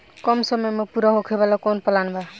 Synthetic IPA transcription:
kʌmsʌmʌjmʌpuɾʌɦokʰebalakonpʌlanba

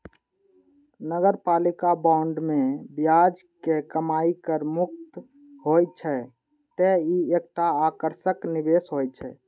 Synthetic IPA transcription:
nəɡəɾpalikabaɳɖmebjad͡ʒ | kekəmaikəɾmuk̚t̪ | ɦojt͡ʃʰɛ | t̪eiek̚ʈaːkəɾsəknibesɦojt͡ʃʰɛ̰

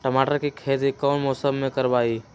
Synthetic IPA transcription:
ʈəmaːʈəɾkikʰeːd͡ʒikɔːnmoːsəbmẽkəɾbaːiː

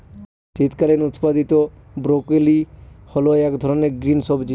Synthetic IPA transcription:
sit̪kaɾenʊt̪pad̪it̪o | bɾokelihɔloɛkd̪ʱɔɾɔneɡɾinsɔbd͡ʒi

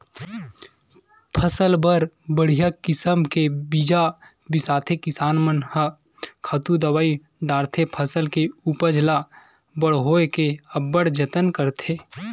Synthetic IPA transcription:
pʰəsəlbəɾ | bəɽ̤ijakɪsəmkebid͡ʒa | bɪsaːt̪ʰekɪsaːnmənhə | kʰət̪ud̪ɐwaːi | ɖaːɽt̪ʰepʰəsəlkeupəd͡ʒla | bəɽ̤ɦoːekeɐbːəɽd͡ʒət̪ənkəɾt̪ʰeː

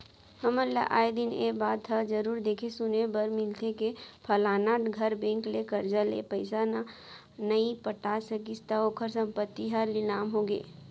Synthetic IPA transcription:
həməɾla̰ʔa̰ːed̪ɪnebaːd̪tʰəd͡ʒɐɾuːɾd̪eːkʰesʊnebəɾmɪlt̪ʰekepʰɐlaːnaːʈɡʱɐɾbẽːŋklekəɾd͡ʒalḛpəɪsana | nəipəʈaːsəkist̪aoːkʰəɾsɐ̃mpət̪ːiɦəɾlɪlaːmɦoɡḛː

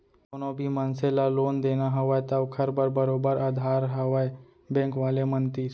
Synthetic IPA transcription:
onõbʱimənselaloːnd̪eːnaɦɐʋaet̪əʋkʰɐɾbəɾbəɾoːbəɾaːd̪ʱaːɾɦɐʋae | bɛ̃ːŋkʋaːlemənt̪i

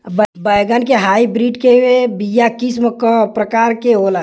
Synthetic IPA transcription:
bbəjɡankeɦaibɾiɖkebijakisməkəpɾəkaɾkeɦola

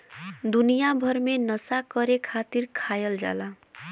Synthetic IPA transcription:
d̪unijabʱʌɾmenʌsakʌɾekʰat̪iɾkʰajʌld͡za̰la

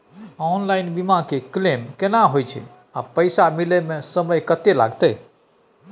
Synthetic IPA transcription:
ɔnlajnbimãkeklemkenaɦojt͡ʃʰɛ̰ | a̰pəjsamilemesəməjkət̪ela̰ɡt̪əj

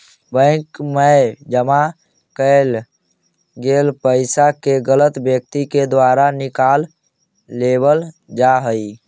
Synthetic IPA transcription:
bə̃ɪkmed͡ʒəma | kəl | ɡelpəɪsakeɡələt̪bjək̚t̪iked̪waɾanɪkalː | ebəl | d͡ʒaɦəi

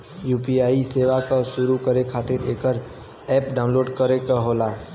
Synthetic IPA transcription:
juːpiaːiseːʋakasʊɾukəɾekʰaːt̪ɪɾeːkəɾ | ɛːpɖaːʊ̃loːɖkəɾekaɦoːlaː

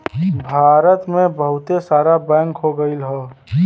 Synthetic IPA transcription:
bʱaːɾət̪mẽbəɦʊt̪esaːɾabɛ̃ːŋkɦoɡəilɦɛː

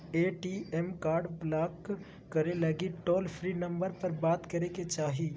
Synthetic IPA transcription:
eːʈiɛmkaːɾɖblaːkː | ɐɾelɐɡiʈoːlpʰɾinɐ̃mbəɾpɐɾbaːt̪kɐɾeket͡ʃaːɦiː

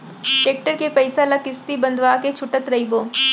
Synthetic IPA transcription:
ʈeːk̚ʈəɾkepɐɪsalakɪst̪ibɐ̃nd̪ʱʋaːket͡ʃʰʊʈət̪ɾɐɦiboː

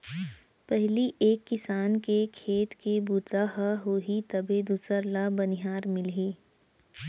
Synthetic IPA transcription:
pɛɦliʔeːkːɪsaːnkekʰeːt̪kebut̪aɦaɦoːɦit̪ɐbʱed̪uːsəɾlabɐnɪɦaːɾmɪlɦeː

